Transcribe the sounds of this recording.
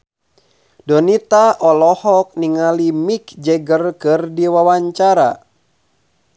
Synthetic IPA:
dɔnit̪aʔɔlɔhɔk̚niŋalimikd͡ʒɛɡərkɨrdiwawaɲt͡ʃaɾa̰

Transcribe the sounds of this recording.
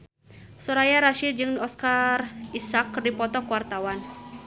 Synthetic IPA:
soɾajaɾaʃid͡ʒɨŋɔskarisakdipɔt̪ɔkwart̪awan

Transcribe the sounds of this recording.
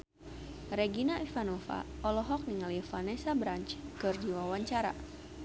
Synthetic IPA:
rɛɡinaʔifanofa̰ɔlɔɦɔk̚niŋaljɛfanɛsabɾaɲt͡ʃkɨrd͡ʒiwawaɲt͡ʃaɾa̰

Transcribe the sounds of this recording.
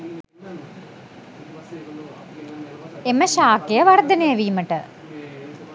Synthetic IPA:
eməʃaːkejəʋard̪ənejəʋiːməʈə

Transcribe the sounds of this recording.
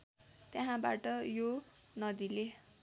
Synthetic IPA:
t̪jaɦãba̰ʈʌjonʌd̪ile

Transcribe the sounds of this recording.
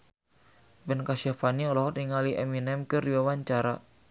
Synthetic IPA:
bɛnkaʃafaniɔlɔɦɔt̪iŋaliʔɛminɛmkɨrdiwawaɲt͡ʃaɾa

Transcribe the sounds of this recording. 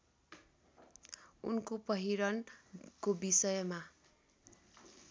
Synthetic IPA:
ṵnkopʌɦiɾʌnkobisʌjma

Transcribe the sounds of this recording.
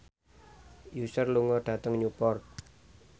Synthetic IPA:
jusərluŋɔɖ̥ä̤t̪əŋɲupɔrt̪̚

